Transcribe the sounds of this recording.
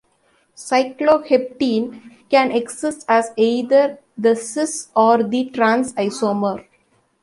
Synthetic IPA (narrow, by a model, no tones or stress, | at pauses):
saɪkloːhep̚ʈĩːnkɛ̃neɡsɪsʈæzeɪd̪əɾ | d̪əsɪsɔːɾd̪iʈɾãnsaɪsoːməɾ